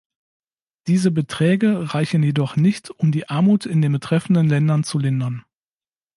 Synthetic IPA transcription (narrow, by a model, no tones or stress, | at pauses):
d̥iːzəbətʁ̥ɛːɡəʁaɪçn̩jedɔχnɪçtʊmdiːʔaɐmuːtɪndeːnbətʁ̥ɛfn̩dənlɛndɐnt͡sulɪndɐn